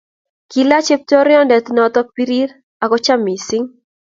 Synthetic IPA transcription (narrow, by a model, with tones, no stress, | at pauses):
ki˨la˦t͡ʃe˦p̚tɔ˦ɾɪ˦ɔ˦ndɛ˨t̪nɔt̪ɔ˦pi˦ɾi˦ɾ | a˨kɔ˦t͡ʃa˦mi˨si˦ŋ